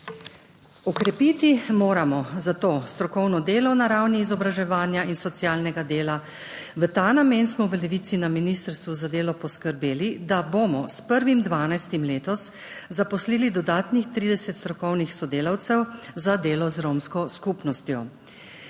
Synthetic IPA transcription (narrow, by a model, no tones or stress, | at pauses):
ɔkɾɛpit̪imoːɾamɔzat̪oːst̪ɾɔkɔwnɔd̪eːlɔwnaɾawniːzɔbɾaʒɛʋaːnjainsɔt̪sjaːlnɛɡad̪eːla | ʋət̪aːnamensmɔʋəlɛʋiːt̪sinaminist̪əɾst̪ʋuzad̪eːlɔpɔskəɾbeːlid̪abomɔspəɾʋimd̪ʋaːnajst̪imleːt̪ɔs | zapɔsliːlid̪ɔd̪aːt̪nixt̪ɾiːd̪ɛsɛt̪st̪ɾɔkɔwnixsɔd̪eːlawt̪sɛwzad̪eːlɔzɾomskɔskupnɔst̪jɔ